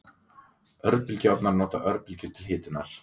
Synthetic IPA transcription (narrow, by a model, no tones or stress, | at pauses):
œɾpɪlcawp̪naɾnɔːt̪a̰ʔœɾpɪlcɪɾt̪ʰɪlɦɪːt̪ɪnaɾ̥